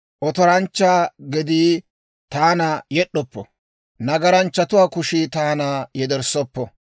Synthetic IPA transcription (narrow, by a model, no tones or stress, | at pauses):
ʔɔt̪ɔɾɐnt͡ʃːaːɡɛd̪iː | t̪aːnɐjɛɗːɔpːɔ | nɐɡɐɾɐnt͡ʃːɐt̪ʊwaːkʊʃit̪aːnajɛd̪ɛɾsɔpːɔ